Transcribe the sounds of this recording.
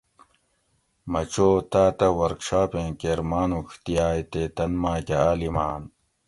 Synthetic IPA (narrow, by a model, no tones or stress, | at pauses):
mɐt͡ɕoːt̪aːt̪ɐwɐɾkʂaːpẽːkeɾmaːnukʰt̪ijaːjt̪et̪ɐnmaːkeaːlimaːn